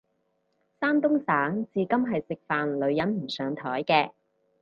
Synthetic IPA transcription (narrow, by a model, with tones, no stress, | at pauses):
saː˥nt̪ʊ˥ŋsaː˨˥ŋt͡siː˨kɐ˥mɦɐ˨jsɪ˨k̚faː˨nlɵ˨˧ɥjɐ˨˥nm̩˨˩sœː˨˧ŋt̪ʰɔː˨˥jkɛː˧